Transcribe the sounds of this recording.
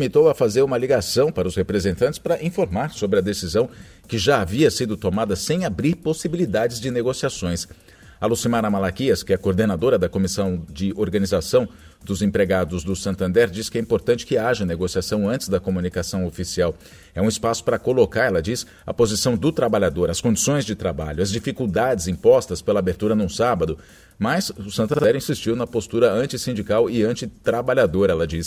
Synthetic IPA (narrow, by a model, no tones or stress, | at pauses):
mit̪owɐfazeɾũmɐliɡasɐ̃w̃paɾɐʊshepɾezẽnt̪ɐ̃nt͡ʃɪ̥spɾɐʔĩfoɾmaɾsobɾɪɐd̪esizɐ̃w̃ | kɪʒaːviɐsid̪ʊt̪omad̪ɐsẽj̃abɾiɾposibilid̪ad͡ʒɪzd͡ʒɪneɡosiasõj̃s | alusimaɾɐmalakiɐskɪɛɐkoɾd̪enad̪oɾɐd̪ɐkomisɐ̃w̃d͡ʒɪoɾɡɐnizasɐ̃w̃ | d̪ʊzẽpɾeɡad̪ʊzd̪ʊsɐ̃nt̪ɐ̃nd̪ɛɾd͡ʒiskɪɛĩpoɾt̪ɐ̃nt͡ʃɪ̥kɪaʒɐneɡosiasɐ̃w̃ɐ̃t͡ʃɪzd̪ɐkomũnikasɐ̃w̃ofisiaw | ɛũɪspasʊ̥pɾɐkolokaɾɛlɐd͡ʒis | ɐ̰pozisɐ̃w̃d̪ʊt̪ɾabaʎad̪oɾɐskõd͡ʒisõj̃zd͡ʒɪt̪ɾaba̰ʎʊɐzd͡ʒifikuwd̪ad͡ʒɪzĩpɔst̪ɐspelɐabeɾt̪uɾɐnũsabɐd̪ʊ | mɐzʊsɐ̃nt̪ɐ̃d̪ɛɾĩsist͡ʃiwnɐpost̪uɾɐɐ̃nt͡ʃɪsĩnd͡ʒikawɪɐ̃nt͡ʃɪt̪ɾabaʎad̪oɾɛlɐd͡ʒis